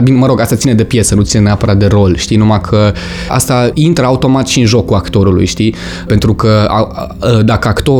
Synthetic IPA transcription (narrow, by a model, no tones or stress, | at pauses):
bineməɾo̞ɡast̪at̪sined̪e̞pje̞sənut̪sineneapəɾat̪̚d̪e̞ɾo̞lʃt̪inumakʰə | a̰st̪aint̪ɾəaut̪o̞mat̪ʃiɨnʒo̞kuakt̪o̞ɾulṵjʃt̪i | pe̞nt̪ɾukəa̰ | əd̪akəakt̪o̞